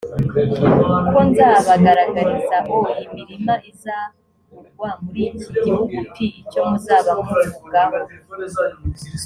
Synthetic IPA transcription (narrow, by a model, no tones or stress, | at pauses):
uko̞nzaːβaɡaɾaɡaɾizaɦo̞imiɾimaʔiza | wamuɾiniɟihuɡutʰiːcomuzaːβahomuɾuɡaɦo